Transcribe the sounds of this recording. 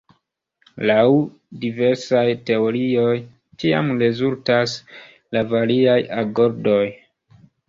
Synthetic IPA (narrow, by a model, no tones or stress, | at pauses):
law | dive̞ɾsajte̞o̞ɾio̞j | t͡ʃia̰mɾe̞zultas | lavaɾiajaɡo̞ɾdo̞j